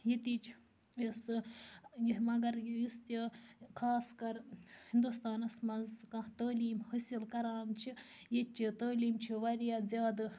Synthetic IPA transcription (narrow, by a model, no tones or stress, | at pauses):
jet̪iːt͡ʃʰ | ɐsɨjiɦmɐɡɐɾjjust̪ikʰaːskɐɾhind̪ust̪aːnɐsmɐzkɐt̪ɐːliːmhəsilkɐɾaːnt͡ʃʰi | jet͡ʃʰit̪ɐːliːmt͡ʃʰiʋɐɾijazʲaːd̪ɨ